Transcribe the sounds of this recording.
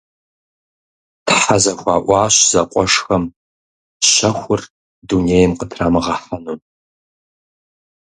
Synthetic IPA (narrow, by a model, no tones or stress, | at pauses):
tħazɐxʷɑːʔʷɑːɕz̥ɐqʷʼɔʂxɐm | ɕɐxʷʊr | duneːjɪmqətʰraːmɨʁɐħɐnun